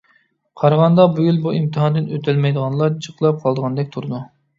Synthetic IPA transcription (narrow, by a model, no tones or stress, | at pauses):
qʰɑɾʁɑnd̪ɑbujʲylbuimt̪ʰɨɦɑnd̪ɪnøt̪ʰɛlmɛjd̪əʁɑnlˠɑɾt͡ʃʰəqlˠɑp̚qʰɑlˠd̪əʁɑnd̪ɛk̚ʲt̪ʰuɾɨd̪u